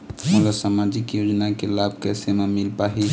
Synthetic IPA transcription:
məlasamad͡ʒikjod͡ʒnakelab̚ʱkɛsememilpaɦi

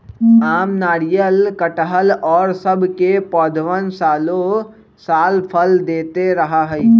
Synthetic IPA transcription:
aːmnaːɽijəlkəʈəɦəlɔːɾsəbʱkepɔːd̪ʱwənsaːlo | saːlpʰəld̪eːt̪eɾɐɦaɦɛi

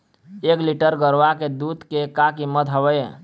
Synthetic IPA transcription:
ekliʈəɾɡəɾʋaked̪ud̪kekakiməd̪ɦəwəj

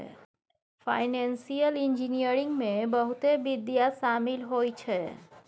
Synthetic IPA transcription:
pʰa̰ɪnensijəlind͡ʒinijəɾiŋɡmẽbəɦut̪ebid̪jasaːmilɦojt͡ʃʰɛ

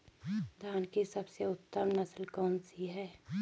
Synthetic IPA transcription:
d̪ʱaːnkisɐbseʊt̪ːəmnɐslkɔːnsiɦɛː

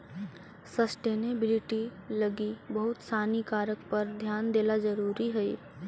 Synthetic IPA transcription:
səsʈeːnebɪlɪʈiləɡibəɦʊt̪saːnikaːɾəkpəɾd̪ʱjaːnd̪eːlad͡ʒəɾuːɾiɦɛi

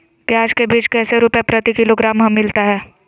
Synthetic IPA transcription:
pjaːd͡ʒkebiːt͡ʃkɛːseɾupepɾət̪ikɪloɡɾaːmɦɐmːɪlt̪aɦɛː

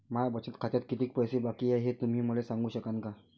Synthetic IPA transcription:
mabət͡sət̪kʰat̪jat̪kit̪iːk̚pəjsebakiːeɦet̪um̤iːməlesãŋɡuːɕəkanka

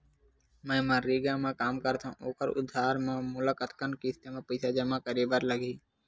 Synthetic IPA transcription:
mə̃ːmãːɾiːɡãːmãːkaːmkəɾt̪ʰã̰ːʔoːkəɾʊ̰d̪ʱaːɾmãːmʊlakət̪kənkiːst̪eːmãːpəɪsaːd͡ʒəmãːkəɾiːbaɾləɡʱiː

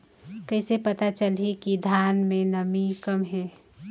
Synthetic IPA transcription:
kəɪsepət̪at͡ʃəlɦikid̪ʱanmẽnəmikəmɦɛː

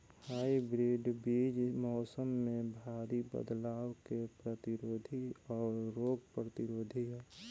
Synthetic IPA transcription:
haːibɾiːɖbiːd͡ʒmɔːsəmːẽbʱaːɾibə̰d̪laːwkepɾət̪ɪɾoːd̪ʱiɔːɾːoːɡpɾət̪ɪɾoːd̪ʱiɦɛː

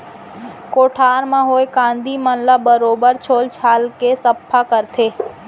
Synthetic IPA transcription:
koːʈʰaːɾmãɦoːekãːnd̪ʱimənlabəɾoːbəɾt͡ʃʰoːlt͡ʃʰaːlkesɐpʰːakəɾt̪ʰeː

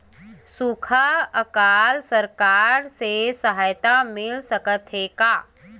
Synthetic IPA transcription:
sukʰaəkaːlsəɾkaːɾsesəɦaːjt̪amɪlsəkət̪ɦeːkaː

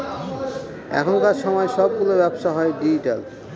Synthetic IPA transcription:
ɛ̰kʰont̪aɾʃɔmɔeʃɔb̚ɡulobɛbʃaɦɔeɖid͡ʑiʈel

